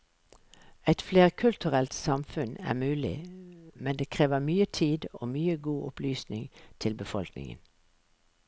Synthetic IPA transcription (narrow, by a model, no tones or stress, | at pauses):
æɪt̪fleːʁkʰʉlt̪ʉʁɛlt̪sɑmfʉnæ̰ːmʉːlɪ̰mɛnd̪eːkʰʁeːʋəmyːət̪ʰiːd̪o̰ːmyːəɡuːʔʊplyːsnɪŋt̪ʰɪlbəfɔlknɪ̰ŋə̰n